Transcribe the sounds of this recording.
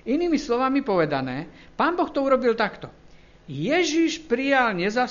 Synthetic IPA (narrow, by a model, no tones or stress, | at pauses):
iniːmislɔʋamipɔʋɛd̪anɛː | paːnbɔxt̪ɔuɾɔbilt̪akt̪ɔ | jɛʒiʃpɾijalɲɛza